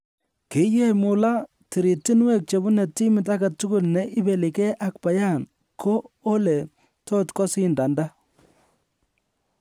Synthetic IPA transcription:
ki˦jɛ˦mʊ˨la˦ | ti˨ɾi˨ti˦nwe˨k̚t͡ʃe˨bu˦nɛ˨ti˦mɪ˨t̬a˦ɡa˨tːʊ˦kʊ˦lnɛ˨ʔɪ˦be˨li˨kɛ˦ʔa˨k̚pa˨ja˦n | kʰoː˦lɛ˨ | tɔ˦tkɔ˦sɪ˦nda˨nda˦

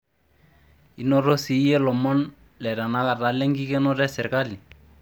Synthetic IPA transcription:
i˦no˦ɾo˦si˦jɛ˦lɔ˨mɔ˦n | lɛ˨ɾa˨na˦ka˨ɾa˨˦lɛ˦ŋɡi˦kɛ˦nɔ˦ɾɛ˦sɛ˨ɾka˦li˨

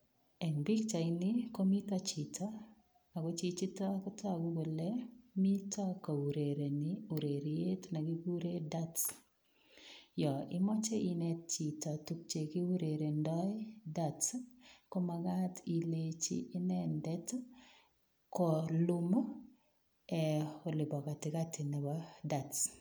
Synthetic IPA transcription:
ɛ˨nbi˦kt͡ʃa˨inɪ˦ko˦mi˦ta˦t͡ʃi˨tʰa˦ | a˨ɡo˦t͡ʃi˦t͡ʃi˦ta˦kɔ˦tʰɔ˦˨ɡu˦ɡo˨lɛ˦mi˦ta˦ko˨u˨ɾe˨ɾe˨nɪu˨ɾe˨ɾje˦tna˨ɡi˦ɡu˦ɾe˦da˦t | jɔ˨ɪ̰˦mɔ˦t͡ʃe˦i˦nɛ˦tt͡ʃi˨ta˨tu˦k̚t͡ʃe˨kɪ˦u˦ɾe˨ɾe˨ndɔ˦ɪ˦da˦˨tko˦ma˨ɡa˦ti˨let͡ʃḭ˦ɪ˦nɛ˦ndɛ˦t | kɔ˨lʊ˦mo˦ | ɛ˨o˨lɪ˨bɔ˨ka˨tɪ˨ka˦tɪ˨nɛ˨wa˦da˨t

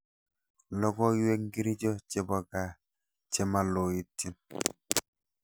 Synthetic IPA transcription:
lɔ˦ɡɔ˦jwe˦kŋɡi˦ɾi˦d͡ʒɔ˦t͡ʃe˦˨bɔ˨ɡa˨ | t͡ʃe˦ma˨lo˨ji˨tːi˦n

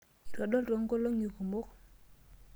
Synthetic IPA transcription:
ta˨ɗo˦lto˨˦ŋko˦lo˦ŋju˨ko˨mo˦k

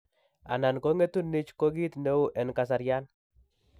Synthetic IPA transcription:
a̰˨na˨nko˦ŋe˦t̪u˦nːɪ˦t͡ʃko˦ɡi˦t̪ne˦u˦ʔɛ˨nka˨s̬a˨ɾja˦n

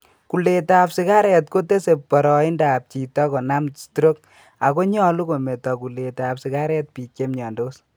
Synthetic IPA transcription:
ku˨le˨tapsi˨ka˦ɾɛ˨tko˦te˦se˨ppɔ˨ɾɔ˨i˦nda˨p̚t͡ʃi˨tɔ˦kɔ˨na˦mstuɾo˦k̚ | a˨ko˦ɲɔ˦lu˦ko˨me˨tɔ˨ku˨le˨taapsi˨ka˦ɾɛ˦t̚pi˨ke˦mɲɔ˨ndo˦s

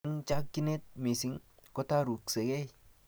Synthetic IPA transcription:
nt͡ʃa˦kkːi˦ne˦t̪̚mi˨si˦ŋko˦ta˦ɾu˨kse˨ɡe˦˨

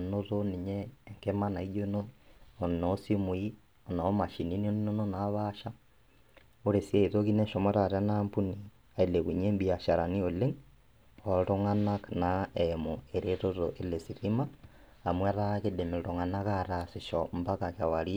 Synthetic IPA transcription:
no˦ɾoni˨ɲɛː˦ŋkema˦na˨iɟo˦noː˦˨nɔsi˦mu˨i˦ | ɔ˨na˨˦ma˨ʃi˨ni˦ni˦ni˦no˦nona˦βaʃa˦ | o˦ɾe˨sja˦iðoki˦nɛ˦ʃɔmɔɾa˨ɾa˦nampu˦ni˨ | a˨ele˨kuɲe˦mbia˨ʃa˨ɾa˨ni˦o˨le˦ŋ | ɔɾo˦ŋanaknaɛmoe˨ɾeɾo˦ɾo˨ʔe˨le˨si˨ɾimaː˨ | mwa˦ɾakede˨me˨ɾo˨ŋa˨na˦ka˦ɾase˨ʃɔmba˦ka˨ka˨wa˨ɾi

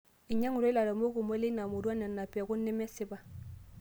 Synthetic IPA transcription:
i˨ɲa˦ŋu˨ɾo˦i˦la˨ɾo˨mo˦ku˨mo˦le˦na˨mo˨du˦a˦nɛ˨nːa˨pi˨a˨ku˦nːɛ˦mɛ˦si˦ba˨

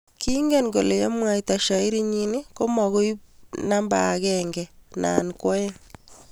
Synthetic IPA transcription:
ki˦ŋɡɛ˦˨nɡo˨le˨ja˦mwa˦i˨ta˨ʃa˨i˦ɾi˦ɲini˦ko˦mɔ˨ɣo˦jna˦mba˨ɡɛŋɡɛ˨na̰˨nkwɔ˦je˦ŋ

